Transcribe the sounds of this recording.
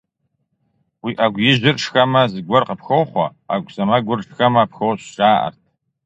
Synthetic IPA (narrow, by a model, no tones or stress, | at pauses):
wiʔaɡʷjɪʒʷɪrʈ͡ʂxamazɡʷɔrqʼəpʰxowχʷaaɡʷʼsamaɡʷʊrʈ͡ʂxamapxowɕt͡ʃʼaːʔa̰rt̚ʰʼ